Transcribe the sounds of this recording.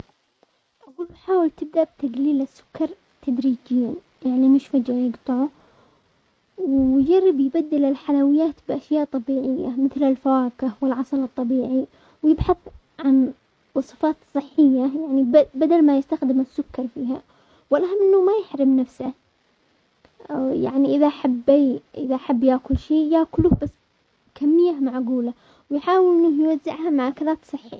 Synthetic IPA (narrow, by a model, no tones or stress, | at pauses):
ʔaɡuːlwħaːwɪlt̪ɪb̚d̪aʔbt̪aɡliːlɪsːʊ̥kːɑɾˤ | t̪ʰad̪ɾiːd͡ʒɪjːan | jaʕnimɪʃfad͡ʒajɪɡt̪ˤɨʕu | wɪd͡ʒarːɪbjbad̪ːɪlɪlħalawɪjːaːt̪bʔaʃjaːʔt̪ˤːɑbiːʕɪjːa̰mɪθlɪlfawaːkɪhwɪlʕɑsˤɑlɨt̪ˤːɑbiːʕi | wjɪbħɑθˤ | ʕan | wɑsˤɨfɑːt̪sˤɨħːɪjːajaʕnibad̪almajɪst̪axd̪ɪmɪsːʊkːɑɾˤfiːɦa | wɪlʔaɦamːʔɪnːʊmajɪħɾɪmnafsa | ja̰ʕniʔɪðaʔħabːiʔɪðaʔħabːjaːkʊlʃiːjaːkʊlʊhbasː | kamːɪjːamaʕɡuːla | wjħaːwɪlʔɪnːʊhjwazːɪ̰ʕhamaʕakalaːt̪sˤɨħːḭ